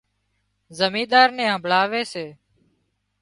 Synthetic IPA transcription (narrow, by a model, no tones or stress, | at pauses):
zəmĩːd̪aːɾnẽːãːbʱlaːʋeːseː